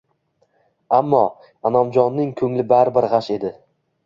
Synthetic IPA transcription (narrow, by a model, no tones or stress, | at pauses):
amːɒ | anɒmd͡ʒɒnːɪŋkʰɵŋlɪbaɾbɪɾʁaʃe̞d̪ɪ